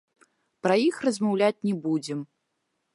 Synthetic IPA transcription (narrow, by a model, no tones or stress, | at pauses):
pɾɐjixrɐzmawlʲat͡sʲnʲɛbud͡zʲɛm